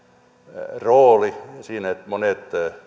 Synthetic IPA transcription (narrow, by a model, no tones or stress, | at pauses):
roːlisiːnet̪monet̪